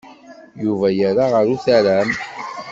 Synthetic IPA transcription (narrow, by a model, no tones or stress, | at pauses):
juvæjaɾaʁəɾuθaɾæm